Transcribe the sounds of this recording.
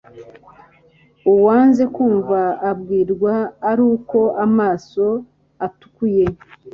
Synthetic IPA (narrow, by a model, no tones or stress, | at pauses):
uwaːnze̞kuːɱvaːbɡiːɾɡwaːɾuːko̞amaːso̞ | atu̥kuje̞